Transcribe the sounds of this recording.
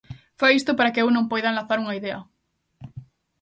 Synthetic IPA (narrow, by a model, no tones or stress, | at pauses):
fajist̪opaɾakeewnõmpojðanlaθaɾuŋaiðeɐ